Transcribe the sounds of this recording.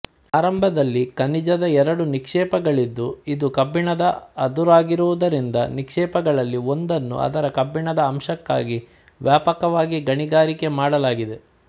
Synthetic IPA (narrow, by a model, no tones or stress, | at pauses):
aːɾɐmbʱɐd̪ɐlːikɐnid͡ʒɐd̪ɐɛɾɐɽunikʂɛːpɐɡɐɭid̪ːuid̪ukɐbːiɳɐd̪ɐɐd̪uɾaːɡiɾuʋud̪ɐɾind̪ɐnikʂɛːpɐɡɐɭɐlːio̞nd̪ɐnːṵɐ̰d̪ɐɾɐkɐbːiɳɐd̪ɐːmʃɐkːa̰ːɡi | ʋjaːpɐkɐʋaːɡiɡɐɳiɡaːɾike̞maːɽɐlaːɡid̪e̞